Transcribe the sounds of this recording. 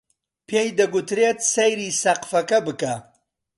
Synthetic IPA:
pʰejd̪ɐɡʊt̪ʰɾet̪̚sɐjɾiːsɐqfɐkɐbɨka

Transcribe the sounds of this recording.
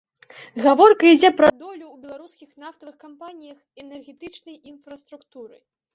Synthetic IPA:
ɣavɔrkɐid͡zʲɛpɾɐd̪ɔlʲuːbʲɛlˠaɾuskʲixn̪aft̪ɐvɨxkampanʲijɐxɛnɛrɣʲɛt̪ɨt͡ʂnɐjinfɾɐst̪ɾukt̪uɾɨ̰j

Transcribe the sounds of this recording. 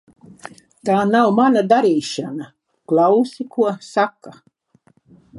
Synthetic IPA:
t̪aːnawmanad̪aɾiːʃana | klˠawsikuɔsakːa

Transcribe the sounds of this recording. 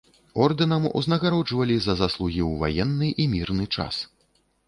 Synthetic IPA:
ɔrd̪ɨnɐmṵznɐɣaɾɔd͡ʐvɐlʲizɐzaslˠuɣʲiwva̰jɛnːɨʔimʲirnɨt͡ʂa̰s

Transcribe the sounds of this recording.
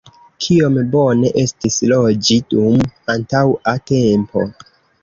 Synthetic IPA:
kʰio̞mbo̞ne̞ʔe̞stislo̞d͡ʒidumantawatempo̞̰

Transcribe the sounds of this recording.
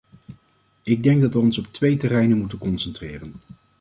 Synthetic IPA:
ɪɡ̚dɛŋɡ̚dɑtʋəɔnsɔp̚tʋejtərɛjnənmutənkɔnsɛntrɪːrən

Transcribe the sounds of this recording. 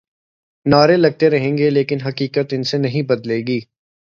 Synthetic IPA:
naːɾelɐɡ̚t̪eɾɐɦẽːŋɡeleːkɪnɦɐkiːkət̪ɪnsenɐɦĩbɐd̪leːɡiː

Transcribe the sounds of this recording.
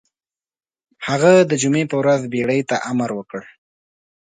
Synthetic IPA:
haɣad̪əd͡ʒumepəwɾazbeɽəjt̪aʔamaɾwəkəɽ

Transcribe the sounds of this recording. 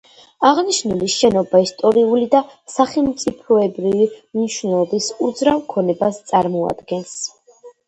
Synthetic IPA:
aʁniʃnuliʃɛnɔbaist̪ʼɔɾiulid̪asaχɛlˠmt̪sʼipʰɔɛbɾivimniʃwnɛlˠɔbisud̪zɾavkʰɔnɛbast̪sʼaɾmɔa̰d̪̥ɡɛns

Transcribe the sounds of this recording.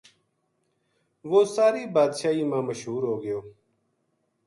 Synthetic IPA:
ʋoːsaːɾiːbaːd̪ʃaːiːmãːməʃɦuːɾɦoːɡəjoː

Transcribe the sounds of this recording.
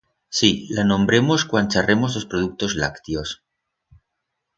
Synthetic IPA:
silanõ̞mbɾe̞mo̞skwant͡ʃare̞mo̞zlo̞spɾoðuk̚t̪o̞zla̰kt̪jo̞s

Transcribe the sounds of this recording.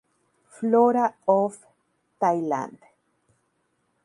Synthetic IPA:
floɾaof | t̪ajlã̰nd

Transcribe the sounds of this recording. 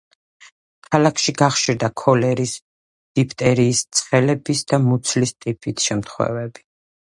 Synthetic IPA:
kʰalakʰʃiɡaχʃiɾd̪akʰɔlɛɾis | d̥ipʰt̪ʼɛɾiːst̪sʰχɛlɛbisd̪amut̪sʰlist̪ʼipʰʼit̪ʰʃɛmt̪ʰχwɛ̰vɛbi̥

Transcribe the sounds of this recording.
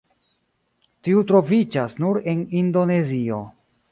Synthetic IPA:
tiutɾo̞vid͡ʒasnuɾe̞nindo̞ne̞zio̞̰

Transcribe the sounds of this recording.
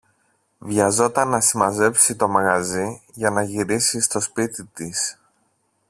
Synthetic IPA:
vʝɐzo̞t̪ɐnːɐsimɐze̞psit̪o̞mɐɣɐziʝɐnɐʝiɾisist̪o̞spit̪it̪is

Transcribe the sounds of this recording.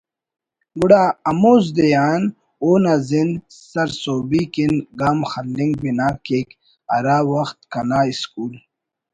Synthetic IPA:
ɡuɽaːɐmoːz̬d̪ejaːn | oːnazind̪ | sɐɾsoːbikinɡaːmxɐldiŋɡ̚binaːkeːk | ɐɾaːwɐxt̪kɐnaːiskuːl

